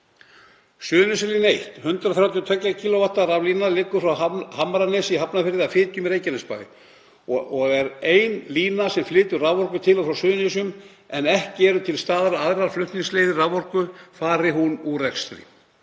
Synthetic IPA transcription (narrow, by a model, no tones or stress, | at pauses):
sʏːnɪs̬ɛɾliːnejht̪hʏnt̪ɾaθɾawt̪jɔt̪ʰvɛklacʰiːloat̪ːaɾavliːnalɪːkːʏ̥fɾawahamːaɾanːɪsiɦapnafɪɾðɪafɪːt̪jʏmɾeːjcanɪspa̰ːjðɪ̰ | ɔɣɛɾejnliːnasɛmflɪːt̪ʏɾravvɔr̥kʏt̪ʰɪlawfɾawsʏːðnɪs̬ʏm | ɛnɛhcɪɛɾʏt̪ʰɪlst̪aːðɾaaðɾaɾflʏht̪niŋsleːjðɪravvɔr̥kʏfaːɾɪɦunurɛkst̪ɾɪ̰